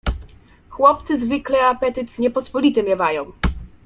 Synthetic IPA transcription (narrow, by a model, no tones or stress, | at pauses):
xwɔp̚t̪sɘzvɘklɛapɛt̪ɘt̪ɲɛpɔspɔlʲit̪ɛmʲjɛvajɔ̃w̃